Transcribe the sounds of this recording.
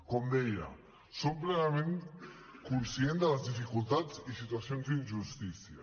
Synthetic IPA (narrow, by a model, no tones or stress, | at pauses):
kɔmd̪ɛja̰ | somplenamẽn | kunsjend̪alazd̪ifikult̪at͡sisit̪uasjonzd̪inʒust̪isja̰